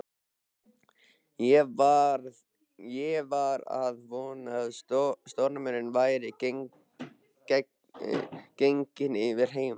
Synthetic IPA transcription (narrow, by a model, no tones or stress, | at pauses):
jɛaɾ | jɛvaɾa̰ðvɔːnaðtst̪owɾnamɛnɪnvaːjɾɪ | kejŋcɪnɪvɪɾ̥ɦeːjm